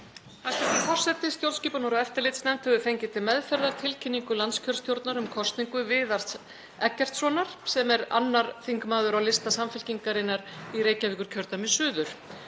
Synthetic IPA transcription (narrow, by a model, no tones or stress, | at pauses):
θɛst̪avɛɾfɔr̥sɛt̪ːɪst̪jowlsciːpanɔɾaɛft̪aɾlɪt̪snɛm̥t̪hɛvʏfejɲcɪt̪ʰɪmɛðfɛɾðaɾ̥t̪ʰɪlcʰɪnːiŋkʏlanscʰœlst̪jowɾt̪naɾʏmkʰɔst̪niŋkʏvɪːðar̥t̪s | ɛcːɛr̥t̪sɔnaɾ̥sɛmɛɾa̰nːaɾθiŋkmaːðʏɾawlɪst̪asamfɪl̥ciŋkaɾɪnaɾiɾeːjcaviːkʏɾ̥cʰœɾt̪amɪsʏːðʏɾ̥